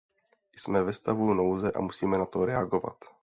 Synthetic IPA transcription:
jsmɛvɛst̪avunowzɛʔa̰musiːmɛnat̪oɾɛaɡova̰t̪

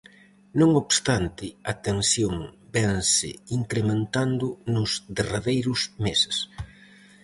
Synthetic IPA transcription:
nõŋoβst̪ant̪ɪat̪ensjoŋbɛnsɪ̰iŋkɾemẽnt̪and̪ʊnʊzðeraðejɾʊsmesɪ̥s

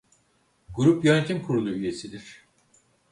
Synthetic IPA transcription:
ɡuɾupjø̞net̪ʰimkʰuɾulˠuyje̞sid̪iɾ̥

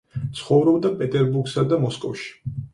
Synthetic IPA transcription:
t̪sʰχɔvɾɔbd̪apʼɛt̪ʼɛɾbuɡsad̪amɔskʼɔfʃi̥

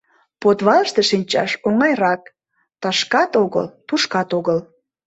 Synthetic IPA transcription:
pot̪βɑləʃt̪eʃinʲt͡ɕɑ̰ʃoŋɑjrɑk̚ | t̪ɑʃkɑt̪oɣə̰lpuʃkɑt̪oɣəl

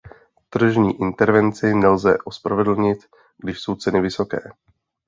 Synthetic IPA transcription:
t̪r̩ʒɲiːʔɪnt̪ɛɾvɛnt͡sɪnɛlzɛ̰ʔospɾavɛd̪l̩ɲɪt̪ | ɡdɪʃso̞wt͡sɛnɪvɪso̞kɛ̰ː

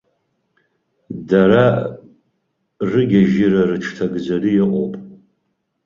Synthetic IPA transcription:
daɾa | rɨɡʲaʒiɾarɨʈ͡ʂʰtʰaɡd͡zarijɪqʷʼo̰pʼ

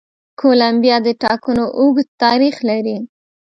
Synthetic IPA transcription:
kʰolambjɑd̪əʈɑkənoʔuɡ̪t̪ɑɾixlaɾi

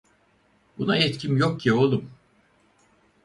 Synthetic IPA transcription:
bunaɛt̪cʰimjok̚cːʰio̞lˠum

